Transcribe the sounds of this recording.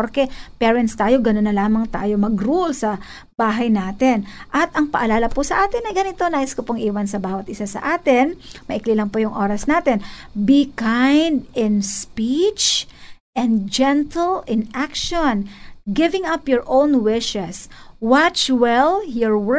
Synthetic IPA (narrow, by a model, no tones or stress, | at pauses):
ɾkɛpɛɹɛnt̪st̪aːjoɡɐnonːɐlaːmɐŋt̪aːjo̞mɐɡɾolsɐ | b̥aːɦɐjnaːt̪ɪnʔɐt̪ɐŋpɐʔɐlaːlɐpʊsɐʔaːt̪ɪnɐjɡɐnɪt̪o̞naːʔɪskopoŋʔiːwɐnsɐbaːwɐt̪ʔɪsasɐ̰ʔaːt̪ɛnmɐʔɪklilɐŋpojʊŋʔo̞ːɾɐsnaːt̪ɛnbikãjnd̪ɪnspit͡ʃʔɛ̃nd̪d͡ʒɛnt̪ɛlɪnakʃonɡɪvɪ̃ŋɐpjɔɹʔõwnwɪʃɛswat͡ʃwɛljɔɹw